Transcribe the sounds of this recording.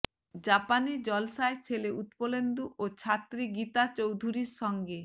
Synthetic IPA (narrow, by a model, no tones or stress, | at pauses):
d͡ʑapanid͡ʑɔlsaet͡ɕʰeleut̪polend̪uʔot͡ɕʰat̪ːɾiɡit̪at͡ɕowd̪ʱuɾiɾʃɔŋɡe